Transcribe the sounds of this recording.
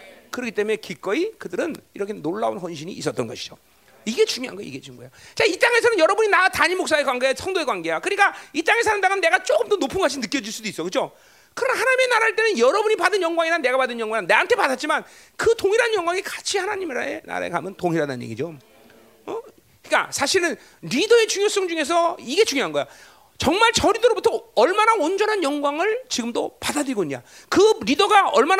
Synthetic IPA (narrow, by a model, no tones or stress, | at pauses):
kɯɾʌkʰit͈emumekik͈ʌikɯdɯɾɯniɾʌkʰenoɭːaonɸwʌnɕ̬ʰiɲiːs͈ʌt͈ʌnɡʌɕʰi̥d͡ʑo | iɡe̞t͡ɕuŋjoɦa̰nɡʌj̰ḭɡe̞t͡ɕumɡojot͡ɕait͈aŋe̞s̬ʰʌnɯnjʌɾʌbuɲinataɲimoks͈aekwaŋɡesʰʌŋdoekwaŋɡe̞jakɯɾik͈ait͈aŋe̞sʰanɯndaɡɯnːe̞ɡat͡ɕ͈oɡɯmtʌnopʰunɡat͡ɕʰinɯk͈jʌd͡ʑuɭs͈udois͈ʌkɯd͡ʑo | kɯɾʌnahanaɲime̞naɾaaɭt͈e̞nɯnjʌɾʌbuɲipadɯnjʌŋɡwaŋiɾane̞ɡapadɯnjʌŋɡwaŋnːeantʰe̞padat̚t͡ɕ͈iman | kɯtoŋiɾanɲjʌŋɡwaŋikḁt͡ɕʰihanaɲimɾaḛna̰ɾa̰ḛka̰mjʌntoŋɦiɾada̰nɲjḛɡḭd͡ʑo | ʌ | k͈a̰sʰaɕʰiɾɯn | ɾidʌe̞t͡ɕuŋjos͈ʌŋd͡ʑuŋe̞s̬ʰʌiɡe̞t͡ɕuŋjoɦanɡʌjo | t͡ɕʌŋmaɭt͡ɕʌɾidoɾobutʰʌʌɭmanaond͡ʑʌnɦanjʌŋɡwaŋɯɭt͡ɕiɡɯmdopadadɯɾiɡoɲa̰ | kɯɾidʌɡaʌɭman